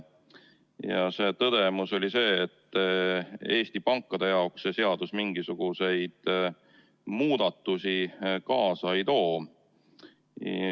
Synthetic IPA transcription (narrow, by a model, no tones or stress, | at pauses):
jɑse̞ːt̪ɤd̪̥e̞muso̞lʲise̞ːt̪ː | e̞ːst̪ipɑŋkːˑɑd̪e̞jɑoksːe̞se̞ɑd̪̥usmiŋɡ̥isuɡ̥use̞jd̪̥ | muːd̪̥ɑt̪ːusikɑːsɑejt̪o̞ː